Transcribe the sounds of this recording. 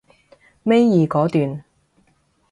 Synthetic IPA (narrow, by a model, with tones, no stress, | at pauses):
me˥jjiː˨kɔː˨˥t̪yː˨n